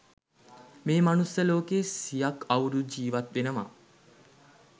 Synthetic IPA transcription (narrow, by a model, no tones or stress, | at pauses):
meːmanusjəloːkeːsijakawɾud͡ʒiːʋat̪ʋenəma̰